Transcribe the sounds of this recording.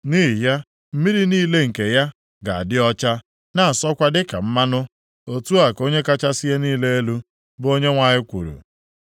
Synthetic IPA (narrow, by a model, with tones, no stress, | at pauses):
ni˦i˨ja˦ | m̩˦mi˦ɾi˦niː˦le˦ŋ̩˨ke˨ja˦ | ɡa˨a̰˨dɪ˦ɔ˦t͡ʃa˦ | na˨a˨sɔ˦kʷa˦dɪ˦ka̰˨m̩˦ma˦nʊ˦ | o˨tu˦a˨ko˦ɲe˦ka˦t͡ʃa˦si˦je˦niː˦le˦e˦lu˦ | bo˦ɲe˦ŋʷa˨ɲɪ˦kʷṵ˨ɾṵ˨